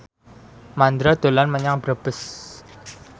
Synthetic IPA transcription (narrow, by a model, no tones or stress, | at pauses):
mand̪ɾad̪̥o̤lanməɲaŋb̥ɾəb̥əs